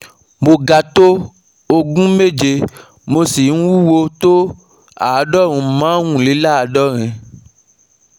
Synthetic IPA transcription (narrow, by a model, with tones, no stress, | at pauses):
mo˧ɡa˧t̪o˦ | o˧ɡũ˦me˦˨d͡ʒe˧ | mo˧si˨ñ̩˦wu˦wo˧t̪o˦ | a˨a˨˦dɔ˦˨ɾ̃ũ˧˦mãː˨˦wũ˦˨li˨˦la˦a˨˧dɔ˦ɾ̃ɛ̃˧